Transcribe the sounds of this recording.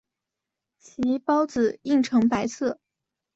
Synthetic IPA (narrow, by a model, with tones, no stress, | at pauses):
t͡ɕʰi˧˥pɑ˥ʊt͡sɹ̩˨˩i˥˩ŋʈ͡ʂʰɤ˧˥ŋpa˧˥ɪsɤ˥˩